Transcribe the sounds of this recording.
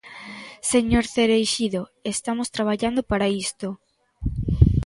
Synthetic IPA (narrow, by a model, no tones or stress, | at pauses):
seɲoɾθeɾejʃiðoest̪amost̪ɾaβ̞aʎand̪opaɾaist̪o